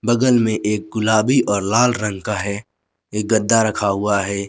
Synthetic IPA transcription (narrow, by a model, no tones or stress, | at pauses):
bɐɡəlmẽʔeːk̚ɡʊlaːbiʔɔːɾlaːlɾə̃ŋɡkaɦɛː | eːk̚ɡɐd̪ːaɾɐkʰaɦʊaɦɛː